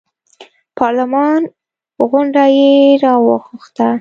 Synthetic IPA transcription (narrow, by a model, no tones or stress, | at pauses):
pʰɑɾlɪmɑn | ɣʊɳɖajeɾɑwəxʊxt̪a